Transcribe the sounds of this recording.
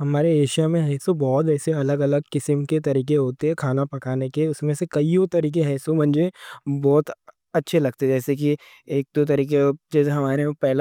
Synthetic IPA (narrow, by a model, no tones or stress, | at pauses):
ɦɐmaːɾeːʃijamẽɦɐɪsobɔːt̪ɛːseɐləɡɐləɡkɪsəmket̪̬ɐɾiːk̬eɦoːt̪eɦɛkʰaːnapɐkaːnekeʊsmẽsekɐiot̪ɐɾiːk̬eɦɐːsõbɐ̃nd͡ʒebɔːt̪ | ɐtːʃʰelɐɡ̚t̪eɦɛd͡ʒɛːsek̬i | eːk̚d̪ot̪̬ɐɾiːked͡ʒɛːseɦɐmaːɾẽpɛɦl